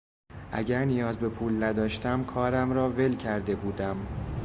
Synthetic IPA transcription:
ʔæ̰ɟæɾnijɒːzbe̞pʰuːlnæd̪ɒːʃt̪æmkʰɒːɾæmɾɒːve̞lcʰæɾd̪e̞buːd̪æm

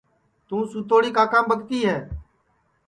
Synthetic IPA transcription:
t̪ũːsuːt̪oːɽiːkaːkãːmbəɠt̪iːɦɛː

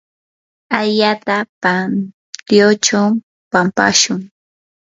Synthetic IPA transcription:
aʎaːt̪apan | t̪jot͡ʃa | pampa̰ʃʊŋ

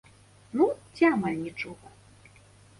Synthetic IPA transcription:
nut͡sʲamalʲnʲit͡ʂɔɣɐ

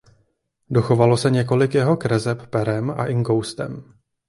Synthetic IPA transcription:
do̞xo̞valo̞sɛɲɛk̬o̞lɪkjɛɦo̞kɾɛzɛpːpɛɾɛma̰ʔɪŋɡowst̪ɛ̰m

